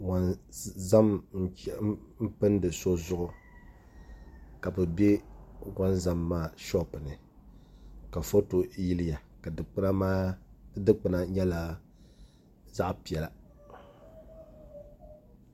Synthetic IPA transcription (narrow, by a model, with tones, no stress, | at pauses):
wa˨nza˦mn̩˦t͡ʃɛ˦m̩˦pɨ˦ndɨ˨so˦zʊ˦ʔʊ˦ | ka˨bɨ˨be˦wa˦nza˦mːaː˦ʃɔ˦pɨ˨nɨ˨ | ka˨fo˦to˨˦ji˦li˦ja˨ka˨dɨ˨k͡pɨ˦na˦maː˦dɨ˦k͡pɨ˨na˦ɲɛ˦la˦ | za˦ʔpi˨ɛ˨la˨